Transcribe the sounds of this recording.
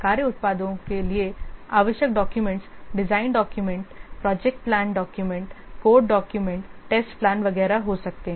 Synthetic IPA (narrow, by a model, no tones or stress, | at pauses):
kaːɾjəʊt̪̚paːd̪õkelieaːʋəʃjək̚ɖɔːkjumẽɳʈsɖɪzaːɪnɖɔːkjumẽɳʈpɾɔːd͡ʒek̚ʈ̚plãːnɖɔːkjumẽɳʈkoːɖɖɔːkjumẽɳʈʈeːsʈplãːnʋɐɡɛːɾaɦosɐk̚t̪eɦɛ̃